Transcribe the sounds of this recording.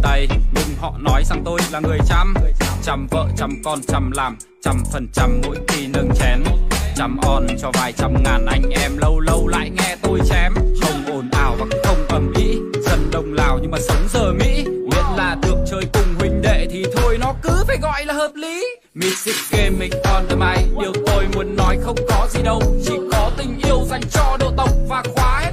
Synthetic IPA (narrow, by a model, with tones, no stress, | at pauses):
t̪ə˧jɲɨ˧ŋ͡mhɔ̰˧˨nɔ˨˦jza˧ŋt̪o˧jlaː˨˩ŋɨ˨˩əjt͡ɕa˧mt͡ɕa˧mvə̰ː˧˨t͡ɕa˧mkɔ˧nt͡ɕa˧mlaː˨˩m | t͡ɕa˧mfə˨˩nt͡ɕa˧mːṵ˧˥jt̪i˧nə˧ŋt͡ɕɛ˨˦nt͡ɕa˧mʔɔ˧nt͡ɕɔ˧vaː˨˩jt͡ɕa˧mŋaː˨˩nʔa˨˧˦jŋ̟ʔɛ˧mlə˧wlə˧wla̰ː˧˨jŋɛ˧t̪o˧jt͡ɕɛ˧mxə˧wŋ͡mʔo˨˩nʔaː˨˩wvaː˨˩kːxə˧wŋ͡mʔə˨˩mʔḭ˧˥zə˧nɗə˨˧˩wŋ͡mlaː˨˩wɲɨ˧ŋmaː˨˩sə˨˦wŋ͡mzəː˨˩mḭ˧˥zḭ˧˨ənlaː˨˩ɗɨ˨˩ək̚t͡ɕəː˧jkʊ˨˩ŋ͡mhwï˨˩ŋ̟ɗḛ˧˨t̪ʰi˨˩t̪ʰo˧əjnɔ˨˦kɨ˨˦faː˨˩jɣɔ̰˧˨jlaː˨˩həː˨˩p̚li˨˦ | mḭ˧˥sḭ˧˥ke˧mːï˨˩ŋ̟kɔ˨˧˩nt̪əː˨˦ʔa˧˨jɗi˨˩əwt̪o˧jmu˨˦ənːɔ˨˦jxə˧wŋ͡mkɔ˨˦zi˨˩ɗə˧wt͡ɕḭ˧˨kɔ˨˦t̪ï˨˩ŋ̟ʔi˧əwza˨˩jŋ̟t͡ɕɔ˧ɗo̰˧˨t̪ə˨˩wk͡p̚vaː˨˩xwaː˨˦